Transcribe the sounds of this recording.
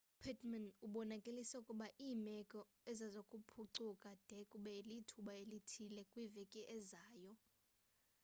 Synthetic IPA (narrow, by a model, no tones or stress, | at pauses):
pʰɛtʰʼmanuɓɔnakʼelisɛukʼuɓaʔiːmɛkʼɔ | ɛzazokʼupʰuǀukʼad̥ʱɛkʼuɓɛelitʰuɓaelitʰilɛkʼwivekʼiʔɛzaːjɔ